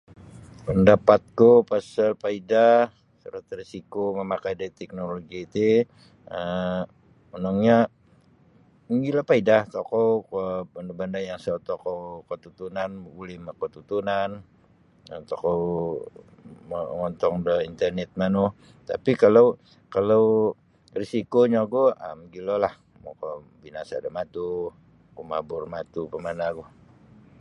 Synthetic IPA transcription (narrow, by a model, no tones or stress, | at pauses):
pəndapat̪̚kupasəlpaida | sə̰ɾət̪risikoməmakajdaɾit̪ɛk̚noloɡiːt̪i | ə | ənaŋɲa | iŋɡilapaidaht̪okɔwkəbandabandajaŋsot̪okowkət̪ut̪unanulɪhmakət̪ut̪unan | ət̪ɔkow | mŋɔnt̪ɔŋdəint̪ərnɛt̪̚manuh | t̪a̰pikalaw | kalow | risikoɲaɡuʔə̰mɡilolah | mo̰ko | binasa̰dəmat̪u | koma̰bʊrmat̪upəmanaɡu